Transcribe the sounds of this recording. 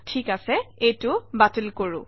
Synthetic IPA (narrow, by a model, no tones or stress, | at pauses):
tʰikasɛejtʊbatelkoɹʊ̰̃